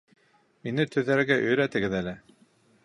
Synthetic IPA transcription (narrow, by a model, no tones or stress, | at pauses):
minɘt̪ɵ̆ðːæɾɡæʔɵ̆jɾæt̪ɘ̆ɡɘðælɘ